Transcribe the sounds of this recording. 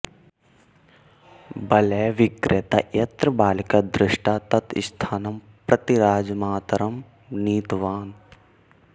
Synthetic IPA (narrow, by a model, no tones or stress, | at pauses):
bɐlɛːʋɪkɾet̪a̰jɐt̪ɾəbaːlikɐd̪ɾɪʃʈaːt̪ɐt̪ʰɪst̪ʰaːnɐm | pɾɐt̪iɾaːd͡ʒmaːt̪ɐɾɐm | niːt̪ʋaːn